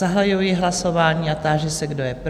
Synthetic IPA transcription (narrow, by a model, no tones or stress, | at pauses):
aɦlajujiɦlaso̞vaːɲiːat̪aːʒɛsɛɡdojɛp